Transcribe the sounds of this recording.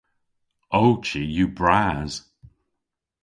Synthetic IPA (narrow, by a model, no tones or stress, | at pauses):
owt͡ʃijubɹaːz̥